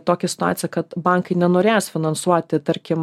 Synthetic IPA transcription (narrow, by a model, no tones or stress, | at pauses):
t̪oːkʲɛsʲɪ̥t̪ʊa̰ːt̪sʲɪjɛkɐt̪bɑŋkɐɪnʲɛnoːɾʲeːjsfʲɪnɐnsuɔt̪ʲɪt̪ɐɾʲkʲɪm